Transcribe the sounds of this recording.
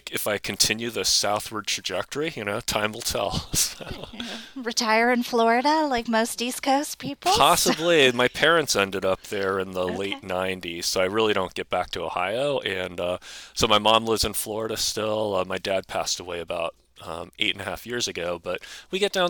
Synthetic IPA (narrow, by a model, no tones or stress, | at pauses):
kɨfaɪkʰɨ̃n̩tʰɪ̃njʉðɨsaʊθwə˞d̚tʰɹ̥ɨd͡ʒɛk̚tə˞ijɨñoʊtʰãɪ̃ml̩ˠtʰɛ̰lˠsoʊɹɨtʰaɪə˞ɨ̃nflɔɹɨɾəlaɪk̚moʊstiskʰoʊspʰipl̩ˠʰɑsəblimaɪpʰɛɹɨ̃ntsɛ̃ndɨɾʌp̚ðə˞ɪ̃nðəleɪtⁿnãɪ̃ntiz̥soʊaɪɹɪlˠiɾõʊ̃nɡ̥ɛt̚b̥æk̚tʰɨoʊha̰ɪoʊʔɨ̃nʌsoʊmaɪmɑ̃mlɪvzɨ̃nflɔɹəɾɨstɪlˠʌmaɪdæd̚pʰæstəweɪɨbaʊɾ̚ | ʌ̰̃mʔḛɪɾɨ̃nɨhæ̰fjɪɹzɨɡoʊbʌt̚wiɡɛt̚d̥ãʊ̃